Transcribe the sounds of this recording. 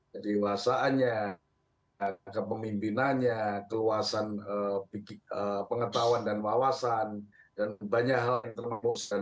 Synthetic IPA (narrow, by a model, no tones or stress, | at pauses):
diwasaːnɲa | kəpəmimpinanɲakəluasanəpiəpəŋət̪awandanwawasan | danbaɲakɦaljaŋt̪ərməmusa